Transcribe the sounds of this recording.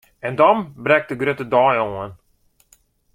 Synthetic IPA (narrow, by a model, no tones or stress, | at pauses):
ɛndɔmbrɛk̚təɡrøtədɔːjoən